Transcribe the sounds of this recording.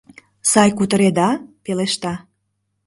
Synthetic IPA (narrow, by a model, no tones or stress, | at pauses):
sɑjkut̪əɾed̪ɑpeleʃt̪ɑ